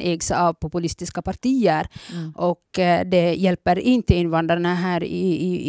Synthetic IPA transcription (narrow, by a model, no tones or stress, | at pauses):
ʔeːɡsaɑvpʰʊpʉlɪst̪ɪskapaɾʈiːəɾʔɔkːd̪ɛjɛlpəɾɪnt̪əɪnʋand̪ɾaɳaɦæːɾ